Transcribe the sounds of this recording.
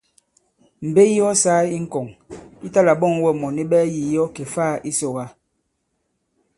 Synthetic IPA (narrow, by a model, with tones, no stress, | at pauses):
m̩˨be˦i˦jɔ˦saː˦i˦ŋ̩˨kɔ˨ŋi˦ta˦la˨bɔ˦˨ŋ˦wɛ˦mɔ˨ni˦ɓɛː˦ji˨jɔ˦ke˨faː˦i˦so˨ɣa˦